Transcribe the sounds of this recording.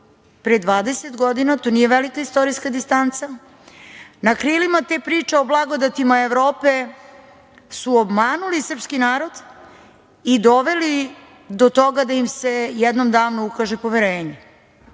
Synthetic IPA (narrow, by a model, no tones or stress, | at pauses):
pɾed̪ʋaːd̪eset̪ɡo̞d̪inat̪onije̞ʋelikaist̪o̞ɾiskad̪ist̪ant̪sa | nakɾilimat̪e̞pɾiːt͡ʂeo̞blˠaɡo̞d̪at̪imaeʋɾo̞ːpe̞ | suobmaːnulisr̩pskinaːɾo̞d̪ | id̪o̞ʋe̞li | d̪ot̪o̞ɡad̪ajimse̞jɛd̪no̞md̪aːʋnuukaʒepo̞ʋeɾeːɲe